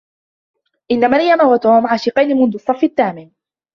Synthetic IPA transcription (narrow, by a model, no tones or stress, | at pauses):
ʔɪnːamalɪjamahwat̪oːmʕaːʃiqɑjnɪmʊnd̪ʊɑsˤːɑfːɪt̪ːaːmɪn